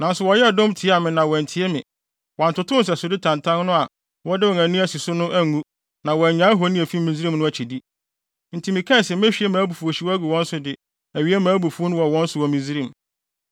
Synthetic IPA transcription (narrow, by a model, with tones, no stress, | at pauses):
nã˨n̩˦sʊ˨wɔ˨jɛ˦a˨dõ˦mtʰi˨˦a˨mɪ̃˨nã˨wɔ˨n̩˨tʰi˨ɛ˦mɪ̃˨ | wɔ˨n̩˨tʰʊ˨tʰʊ̃˦n̩˦s̬ɛ˨sʊ˨dɪ˦tʰã˨ntʰã˦n˦nʊ̃˦a˨ | wɔ˦dɪ˦wɔ̃˨næ̃˨nĩ˦æ˦˨si˨sʊ˦nʊ̃˦ʔæ˦˨ŋũ˦ | nã˨wɔ˨æ˨ɲã˨˦ɦo˨˦nĩ˦æ˨fi˦mĩ˨zi˦ɾĩ˦mnʊ̃˦æ˨t͡ɕʰi˨di˦ | n̩˨tʰi˨mĩ˨kʰɛ̃˦˨sɛ˨m˦æ˦ɕᶣi˨˦e˦mãː˨˦bu˨fu˨o˨ɕi˨wæ˦ɡu˨wɔ̃˦n˦sʊ˨dɪ˨ | æ˨ɥi˨˦e˦mãː˨˦bu˨fu˨˦o˦nʊ̃˦wɔ˨wɔ̃˦n̩˦sʊ˨wɔ˨mĩ˨zi˦ɾĩ˦˨m